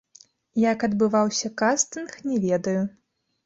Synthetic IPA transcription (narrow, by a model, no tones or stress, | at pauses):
jakɐd̪bɨvawsʲɐkast̪ɨnxnʲɛvʲɛd̪ɐju